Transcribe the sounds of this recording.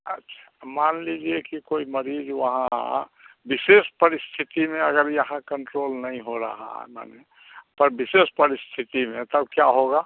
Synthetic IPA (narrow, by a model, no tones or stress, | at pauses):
ɐ̰tːʃʰḁmaːnlid͡ʒiekikoːiməɾiːd͡ʒʋɐɦã̰bɪsespəɾɪst̪ʰɪt̪imẽɐɡəɾjɐɦãkə̃ɳʈɾoːlnɐɦĩɦoɾə̰ɦa̰ɦma̰ne | pəɾbɪsespəɾɪst̪ʰɪt̪imẽt̪əbkjaɦoɡaː